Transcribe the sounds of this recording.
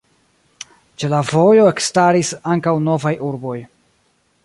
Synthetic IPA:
t͡ʃe̞lavo̞jo̞e̞kstaɾisaŋkawno̞vajʔuɾbo̞j

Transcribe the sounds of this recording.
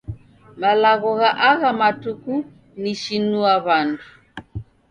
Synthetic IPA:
malaɣɔɣaʔaɣamatuku | niʃinuaβandu

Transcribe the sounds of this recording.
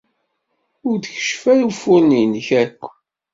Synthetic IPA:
ʊɾðçə̥ʃfælufʊɾninçækʷː

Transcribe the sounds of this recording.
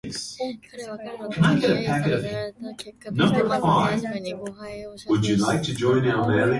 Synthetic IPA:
s | kʰɨ̃naɪɡɛɾɨpʰækɨɾʌv | nʌ̃mbə˞faɪv | wəd͡ʒɨlaɪk̚tʰɨd͡ʒɔ̃ɪ̃naʊə˞mɛlˠi

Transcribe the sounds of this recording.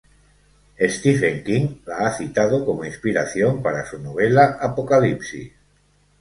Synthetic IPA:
est̪ifeŋkiŋlaaθit̪að̞okomoinspiɾaθjo̞mpaɾasunoβ̞elaapokalipsḭ

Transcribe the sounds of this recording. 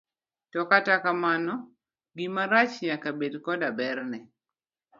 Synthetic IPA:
tɔkatakamanɔ | ɡimaɾat͡ʃɲakabedkɔdabɛrnɛ

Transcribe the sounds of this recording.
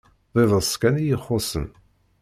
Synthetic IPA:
ðˤeðˤəskænijəχːosə̰n

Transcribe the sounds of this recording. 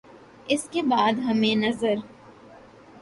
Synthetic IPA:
ɪskebaːd̪ɦɐmẽnɐzəɾ

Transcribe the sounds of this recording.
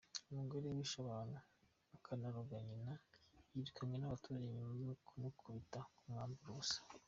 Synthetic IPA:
umuɡoɾemiʃaβaːnaː | kʰanaɾuɡaɲinajiɾikamɲenaβatuɾaiɲumajoknokʰuβitakumŋaːmbuɾusḁ

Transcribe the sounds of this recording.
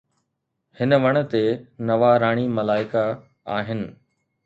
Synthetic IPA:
hɪnəʋɐɽ̃ə̆t̪enɐʋaɾaːɽ̃imɐlaːɪka | aːɦɪnɪ̆

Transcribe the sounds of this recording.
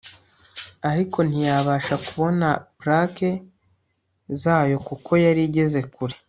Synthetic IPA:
aɾiko̞n̥ijaːβaːʃakuβo̞napɾake̞ | zaːjo̞kukʰo̞jaɾiɟe̞ze̞kuɾi̥

